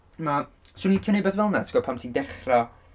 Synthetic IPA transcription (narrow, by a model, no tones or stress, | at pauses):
maswʊnikʰənebɛvɛlˠnatʰɡɔpʰamtʰiːndɛχra